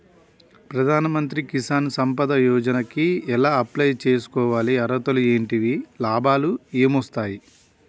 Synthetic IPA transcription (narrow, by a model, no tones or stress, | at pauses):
pɾɐd̪ʱaːnɐmɐnt̪ɾikisaːnsɐmpɐd̪ɐjɔːd͡ʒɐnɐkiɛlaːɐplɐjt͡ʃe̞ːs̬u̥kɔːʋaːliɐɾɐt̪ɐlue̞ːɳʈiʋilaːbʱaːlueːmɔst̪aːji